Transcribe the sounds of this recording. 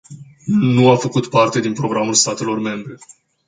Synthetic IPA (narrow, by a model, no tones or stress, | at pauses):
nuafəkut̪part̪e̞d̪inpɾo̞ɡɾamulst̪at̪e̞lo̞rme̞mbɾe̞